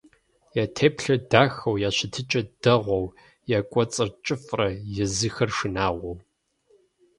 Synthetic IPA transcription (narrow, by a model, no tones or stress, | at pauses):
jaːtʰeːpɬɐdaːxɐwjaːɕɪtʰɨt͡ʃʼɐd̥ɐʁʷɔw | jaːkʷʼɔt͡sʼɨrt͡ʃʼɪfʼrɐjɛzɨxɐrʂɨnaːʁʷɔw